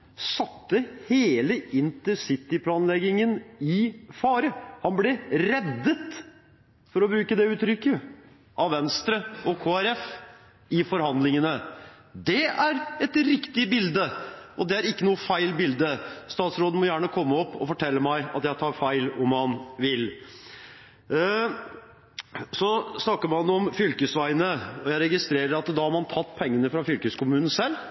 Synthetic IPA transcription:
sɑt̪ːəheːləʔɪnt̪əsɪt̪ːɪpʰlɑːnlɛɡɪŋənɪfɑːɾəhɑnblɛɾɛd̪ːət̪ | fɔɾɔbɾʉːkəd̪ɛʉːt̪ɾʏkːə | ʔɑʋʋɛnst̪ɾəɔkʰoːæɾɛf | ɪfɔɾhɑnd̪lɪŋənə | d̪ɛæɾɛt̪ɾɪkt̪ɪəbɪld̪əʔɔd̪ɛæɾɪkːənuːəfæɪlbɪld̪əst̪ɑːt̪sɾoːd̪n̩mɔjæːɳəkʰɔmːəɔpːɔ̰fɔʈʰɛlːəmæɪɑ̰t̪jæɪt̪ʰɑːɾfæɪlɔmːɑnʋɪl | sɔsnɑkːəmɑnɔmfʏlkəsʋæɪnəɔjæɪɾɛɡɪst̪ɾeːɾəɾɑt̪d̪ɑhɑɾmɑnt̪ʰɑt̪ːpʰɛŋːənəfɾɑfʏlkəskʰʊmʉːn̩sɛlː

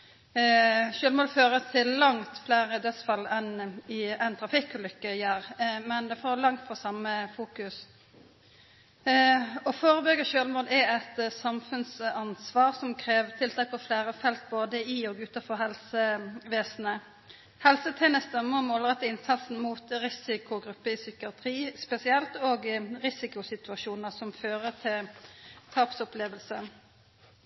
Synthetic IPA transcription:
ʃøːlmoːd̪føːɾət̪ʰɪlːɑŋt̪flæːɾəd̪œt̪sfɑlːɛnɪɛɪnt̪ʰʁɑfɪkʉlʏkːəjæːɾmɛnd̪ɛfoːlɑŋt̪fɔsɑməfuːkʉs | ɔfoːɾəbʏɡəʃøːlmoːd̪ɛɛt̪sɑmfʉnsɑnsʋɑːʁsɔmkʰʁeːʋt̪ʰɪlt̪ʰɑːk̚pʰɔflæːʁəfɛlt̪̚boːd̪əɪoːɡʉːt̪ɑfɔʁhɛlsəʋeːsn̩ə | hɛlsət̪ʰɛːnəst̪ɛmːəɔmoːləʁɛt̪ːəɪnsɑt̪sn̩muːt̪ʁɪsɪkʊɡʁʉpːəɪsʏkəɑt̪ʰʁiːspɛsɪɛlt̪oːɡʁɪsɪkʊsɪt̪ʉɑʃuːnəʁsɔmføːʁət̪ʰɪlt̪ʰɑːpsɔpleːʋəlsə

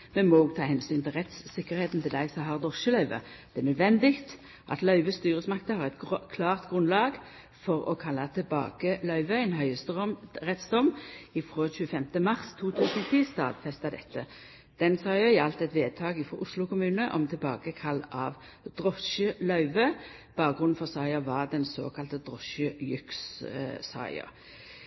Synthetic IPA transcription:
mɛnmɔoːɡt̪ʰɑːɦɛnsyːnt̪ʰɪlʁɛt̪sːɪkːəʁheːt̪nt̪ɪld̪æɪsɔmɦɑʁd̪ʁɔʃəlœʏʋə̰d̪̥ɛɛnœd̪ʋɛnd̪ɪkt̪ | ʔɑ̰t̪lœʏʋəst̪yːʁəsmɑkt̪əhɑʁɛt̪ɡkʰlɑːʁt̪ɡʁʉnlɑːɡ | fɔʁɔ̰kʰɑlːɑt̪ʰɪlbɑ̰ːkəlœʏʋəɛɪnɦœʏəsʁɛt̪sd̪ɔmːɪfʁoːçʉːəfɛmt̪əmɑʁst̪ʰuːt̪ʰʉːsənɔt̪ʰiːst̪ɑ̰ːd̪fɛst̪ɑd̪ɛt̪ːə | d̪̥ɛnsɑɪəjɑlt̪ɛt̪ʋeːd̪̚t̪ʰɑːɡɪfʁoːʔʊslʊkʊmʉːnəʔɔ̰mt̪ʰɪlbɑːɡəkʰɑlːɑ̰ʋ | d̪̥ʁɔʃəlœʉʋə | b̥ɑːkɡʁʊnn̩fɔʁsɑɪəʋɑd̪ɛnso̰ːkʰɑlt̪əd̪ʁɔʃəjʏkssɑ̰ɪə̰ʁ

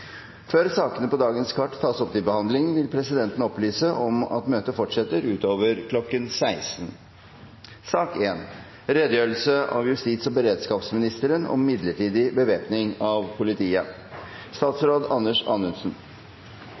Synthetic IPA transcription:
føːɾsɑːkənəpɔd̪ɑːɡənskʰɑʈːt̪ʰɑːsɔpd̪ɪbəhɑnd̪lɪŋənʋɪlpʰɾɛsɪd̪ɛnt̪ən̩ɔplyːsəʔɔmɑ̰t̪møːt̪əfɔʈʂɛt̪ːəɾʉːt̪oːʋəɾkʰlɔkːənsæɪsn | sɑːkeːn | ɾɛd̪əjøːɾl̩səʔɑ̰ʋjʉst̪iːt̪sɔbəɾeːd̪skɑːpsmɪnɪst̪əɾənɔ̰mːɪd̪ləʈiːd̪ɪbəʋeːpnɪŋɑʋpʰʊlɪt̪ʰiːə | st̪ɑːt̪sɾoːd̪ɑnːəʂɑ̰ːnʉnsn

